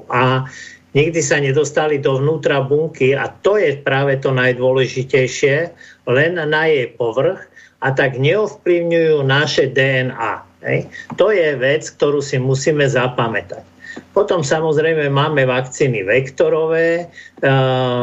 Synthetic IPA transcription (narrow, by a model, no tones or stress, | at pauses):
aɲiɡd̪isaɲɛd̪ɔst̪alid̪ɔʋnuːt̪ɾabuŋkia̰t̪ɔjɛpɾaːʋɛt̪ɔnajd̪ʊɔlɛʒicɛjʃɪɛlɛnːajɛjpɔʋr̩x | ʔat̪aɡɲɛɔfpliʊɲujuːnaʃɛd̪ɛɛna̰ːɦɛ̰jt̪ɔjɛʋɛt͡sk̚t̪ɔɾuːsimusiːmɛzapamɛt̪ac | pɔt̪ɔmsamɔzɾɛjmɛmaːmɛʋakt͡siːniʋɛkt̪ɔɾɔʋɛː